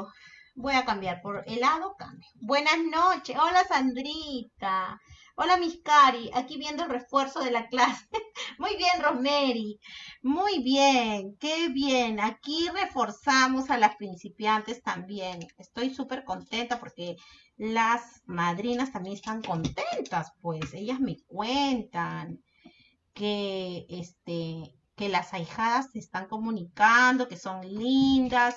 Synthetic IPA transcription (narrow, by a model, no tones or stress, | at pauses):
bwejakambjaɾpoɾelaðoka̰mbjabwenahnot͡ʃeolasand̪ɾit̪a | olamihkaɾiakiβjend̪oelrefweɾsoðelaklasemujβjenromeɾimujβjeŋkeβjenakirefoɾsamosalaspɾinsipjant̪e̞st̪ambjenest̪o̞jsupe̞ɾkont̪e̞nt̪apo̞ɾke | lasmaðɾinast̪ambjenest̪aŋko̞nt̪e̞nt̪aspwe̞se̞ʝazme̞kwent̪aŋ | keest̪e | kelasajxaðasːeːst̪aŋko̞mũnikand̪o̞keso̞nlind̪as